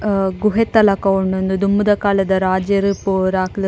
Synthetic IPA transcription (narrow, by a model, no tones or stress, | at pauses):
ɡuɦet̪ːɐlɐkɐwuɳund̪ud̪umːud̪ɐkaːlɐd̪ɐɾaːd͡ʒjɐɾɯpuɾaːkl